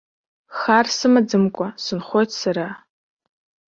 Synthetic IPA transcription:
χarsɨmad͡zɨmkʷʼasɨnχʷojtʰsaɾa

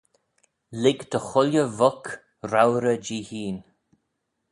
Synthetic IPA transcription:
lɪɡd̪əxʊljəvɔk | ɾawɾəd͡ʒiːhiːn

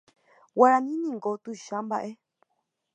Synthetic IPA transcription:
waɾanĩnĩŋɡot̪uʃãmba̰ʔe

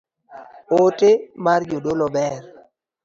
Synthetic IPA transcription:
otemarjodolɔbɛr

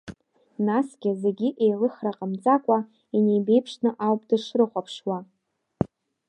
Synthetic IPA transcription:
nasɡʲɪze̞ɡʲɪʔejlɨχraqʼəmt͡sʼakʷʼa | ine̞jbe̞jpʰʂnɨʔawpʼdɨʂrɨχʷapʰʂwa

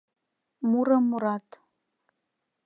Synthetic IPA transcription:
muɾɤmːuɾɑt̪

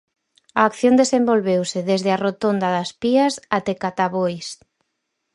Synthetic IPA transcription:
aːkθjõnd̪esembolβewsɪðezðɪarot̪ond̪ɐðɐspiɐsat̪ekat̪aβojs

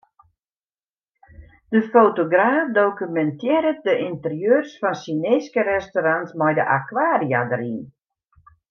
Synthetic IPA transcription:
d̥əfowtoɡraːfdokymɛntjɪɾət̚dəʔintərjøːrsfɔnsineskəɾɛstoɾantmɔjdəʔakwaːria̰dəɾin

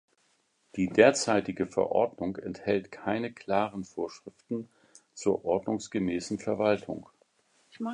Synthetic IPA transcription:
d̥iːdeːɐt͡saɪtɪɡəfɛ̰ɐʔɔ̰ɐdnʊŋɛnthɛltkʰaɪnəkʰl̥aːʁənfoːɐʃʁ̥ɪftn̩ | t͡suːɐʔɔɐdnʊŋsɡ̥əmɛːsn̩fɛɐvaltʰʊ̰ŋ

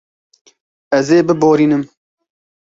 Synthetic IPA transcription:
ɛzeːbɨboːɾiːnɨm

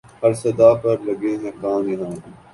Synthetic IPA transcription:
hɐɾsɐd̪aːpɐɾlɐɡẽːɦẽːkaːmiɦãː

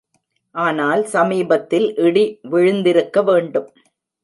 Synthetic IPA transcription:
ʔaːnaːlsɐmiːbɐt̪ːɪlʔɪɽiʋɪɻɯnd̪ɪɾɯkːɐʋeːɳɖɯm

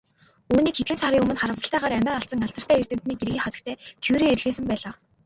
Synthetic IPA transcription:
uːniːkxet̪̚xɘ̆nsaɾiːɵmɘ̆nχaɾə̆wsə̥̆ɬt̪æːʁaːɾæmæːɔɬt͡sə̆ŋaɬt̪ə̥̆t̪æːer̥t̪ɘ̆m̥t̪niːkerɣʲiːχɔt̪ə̆k̚t̪ʰæːt̪ʰewɾeːerɮɣeːsɘ̆mpæːɮaː

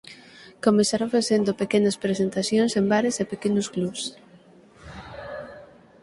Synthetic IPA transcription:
komesaɾaɱfaθend̪opekenɐspɾesent̪aθjoŋsembaɾesepekenʊsklus

